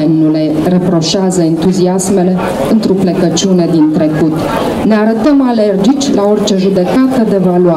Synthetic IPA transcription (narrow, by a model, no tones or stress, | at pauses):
ennule̞ | re̞pɾo̞ʃeazəent̪uziasme̞le̞ | ɨnt̪ɾoplekət͡ʃune̞d̪int̪ɾe̞kut̪ | ne̞aɾət̪əmale̞rd͡ʒit͡ʃʲlao̞rt͡ʃe̞ʒud̪e̞kat̪əd̪e̞valua